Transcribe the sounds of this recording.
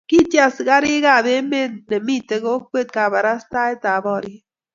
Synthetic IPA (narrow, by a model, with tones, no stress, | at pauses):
ki˦tja˨sɡa˦ɾi˦ɡa˦˨be˦me˦nne˨mi˦˨te˨ɡo˦kwe˦t̚ka˨ba˨ɾa˦sta˦e˦ta˨bɔ˦˨ɾi˦